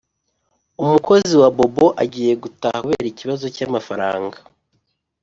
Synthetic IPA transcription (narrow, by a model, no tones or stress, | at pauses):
umukʰo̞ziwabo̞bo̞ʔaɟiːje̞ɡutahaβe̞ːɾiciβazo̞camafaɾa̰ːŋɡa